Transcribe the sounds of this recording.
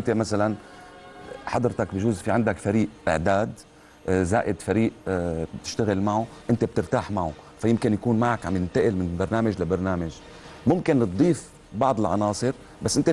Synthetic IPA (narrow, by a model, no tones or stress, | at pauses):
ʔnt̪emasalan | ħɑd̪ˤɾt̪akbʒuːzfiʕand̪akfaɾiːʔʔɪ̰ʕd̪aːd̪ | za̰ːʔɪd̪faɾiːʔbt̪ɪʃt̪aɣɪlmaʕuʔɪnt̪eb̚t̪ɪɾt̪aːħmaʕufajɪmkɪnjakuːnmaʕakʕamjɪnt̪aʔɪlmɪnbɑɾˤnaːmaʒlabɑɾˤnaːmaʒ | mʊmkɪnt̪̚d̪ˤiːf | bɑʕd̪ˤɪlʕɑ̰nɑːsˤɨɾ | basːʔɪnt̪e